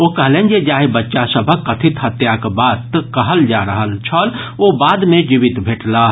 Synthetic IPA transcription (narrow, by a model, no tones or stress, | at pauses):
okəɦlẽːnd͡ʒed͡ʒaːɦibətːʃasəbʱəkːət̪ʰit̪ɦət̪jakbaːt̪kəɦəld͡ʒaɾəɦəlt͡ʃʰəl | obaːd̪mẽd͡ʒibit̪bʱeːʈla